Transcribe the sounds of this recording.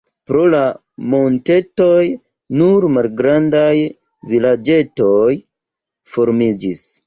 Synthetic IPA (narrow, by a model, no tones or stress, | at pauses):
pɾo̞la | mo̞nte̞to̞j | nuɾmalɡɾandaj | vilad͡ʒe̞to̞j | fo̞ɾmid͡ʒis